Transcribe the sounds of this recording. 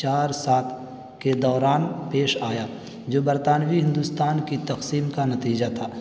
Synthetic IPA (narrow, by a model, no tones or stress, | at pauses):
t͡ʃaːɾsaːt̪ʰ | ked̪ɔːɾaːnpeːʃaːja | d͡ʒoːbɐɾt̪aːnʋiɦɪ̃nd̪ust̪aːnkit̪ɐqsiːmkanɐt̪iːd͡ʒat̪ʰaː